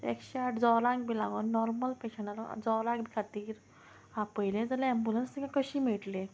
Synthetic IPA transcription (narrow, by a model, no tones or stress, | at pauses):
ekɕeaʈd͡zɔɾaŋk̚bilaɡonːɔɾməlpekɕəɳaɾ̰d͡zɔɾãɡbikʰat̪iːɾ | apəjlẽd͡zaleembulənst̪ikãkəɕiːmeʈlẽ